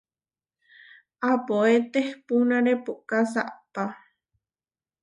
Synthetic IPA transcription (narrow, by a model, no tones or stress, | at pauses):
apoet̪ehpunãɾepukasa̰ʔpa